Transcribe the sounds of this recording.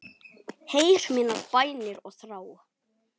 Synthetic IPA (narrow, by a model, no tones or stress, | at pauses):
hejɾ̥miːnaɾpajnɪɾɔɣθɾaːw